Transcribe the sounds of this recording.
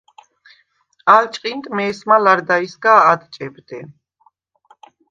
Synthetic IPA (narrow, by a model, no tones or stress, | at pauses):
alt͡ʃʼqʼint̪ʼmɛːsmalaɾd̪aisɡaːd̪t͡ʃʼɛbd̪ɛ